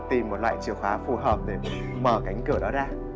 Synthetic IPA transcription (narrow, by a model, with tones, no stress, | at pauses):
t̪i˨˩mːo˨˩t̚lwa̰ː˧˨jt͡ɕi˧˩əwfaː˨˦fu˧˩ɦəː˨˩p̚ɗe˧˩ | məː˧˩ka˨˦jŋ̟kɨ˧˩əɗɔ˨˦ɗaː˧